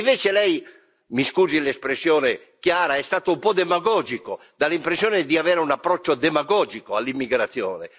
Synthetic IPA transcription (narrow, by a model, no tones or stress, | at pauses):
ɱvɛːt͡ʃelɛj | miskuːzilɛspɾesːjɔːnɛ | kjaːɾaɛst̪aːt̪oumpɔd̪ɛmaɡɔːd͡ʒiko | d̪alimpɾesːjɔːnɛd̪iavɛːɾaunapːɾɔt͡ʃːod̪ɛmaɡɔːd͡ʒikoalːimːiɡɾat̪sːjɔːnɛ̰